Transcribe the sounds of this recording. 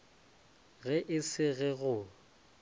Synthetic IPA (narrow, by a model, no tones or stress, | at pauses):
ɣɛʔɪsɪɣɛɣʊ